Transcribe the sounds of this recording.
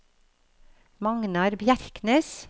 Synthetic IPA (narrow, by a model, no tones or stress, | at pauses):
mɑŋnɑɾbjæɾkneːs